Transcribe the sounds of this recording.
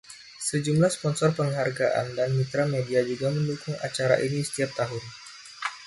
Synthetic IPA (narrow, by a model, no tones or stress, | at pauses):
səd͡ʒumlahspɔnsɔrpəŋɦarɡaʔa̰ndanmit̪ɾamediad͡ʒuɡaməndukʊŋa̰t͡ʃaɾa̰ʔinisə̥t̪iap̚t̪aɦʊn